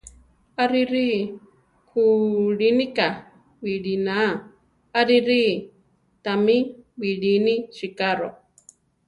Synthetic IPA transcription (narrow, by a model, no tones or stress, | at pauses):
aɾiɾi | kʰuɺinika | wiɺina | aɾiɾi | t̪amiwiɺiniʃikaɾo